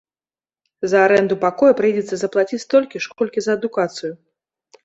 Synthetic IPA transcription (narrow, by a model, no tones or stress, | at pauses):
zɐaɾɛnd̪upakɔjɐpɾɨjd͡zʲɛt̪sːɐzɐplˠat͡sʲit͡sʲt̪ɔlʲkʲiʂkɔlʲkʲizɐːd̪ukat̪sɨju